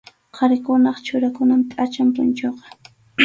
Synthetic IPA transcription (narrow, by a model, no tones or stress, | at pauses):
qʰɑɾɪkʊnɑχt͡ʃʊɾakʊnamt̪ʼat͡ʃampʊnt͡ʃoqɑ̥